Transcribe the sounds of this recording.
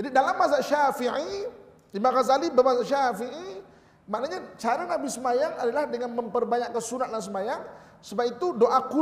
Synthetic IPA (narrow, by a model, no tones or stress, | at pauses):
d͡ʒadidalamːazaʔʃafiʕi | imãɣazalibəmazaʔʃafii | maʔnaɲat͡ʃaɾanabisəmajaŋadalahdəŋanmə̃mpərbaɲaʔkːansunat̪̚dans̬əmajaŋ | səbap̚it̪udoʔaku